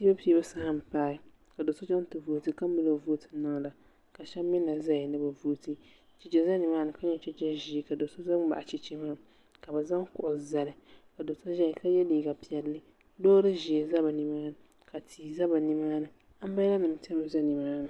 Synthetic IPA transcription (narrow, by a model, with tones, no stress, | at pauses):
si˦ba˦pi˦e˦ba˦sa˦ha˦m̩˨paː˦ | ka˨do˨so˦d͡ʒa˦n˦tɨ˨vu˨˦˨tɨ˦ka˦mɨ˦lo˨˦vu˦tʰɨ̥˨na˦ŋ˨la˨ | ka˨ʃɛ˦mː˦ɪ˦na˨za˦ɪ˨nɨ˦ba˨vu˦tɨ˦ | t͡ʃi˨t͡ʃɛ˦za˦ni˨maː˦nɨ˨ka˦ɲɛ˦t͡ʃɛ˦t͡ʃɛ˦ʒi˨ka˨do˨so˦za˦m˦ba̰˨ʔa˨t͡ʃi˦t͡ʃi˦maː˦˨ | ka˨ba˨za˦ŋ˦kʊ˨ʔʊ˨za˨lɨ˨ka˨do˨so˦ʒa˦ɪ˨ka˦jɛ˦liː˨ɡa˨pi˦˨ɛ˨lːɨ˦ | dɔː˦ɾɨ˦ʒi˨e˨za˦ba˨ni˦maː˦nɨ˨ | ka˨tʰiː˨za˦ba˨ni˦maː˦nɨ˨ | a˦m̩˦ba˦la˦nɨ˨m˦tɛ˦a˦za˦ni˨maː˦nɨ˨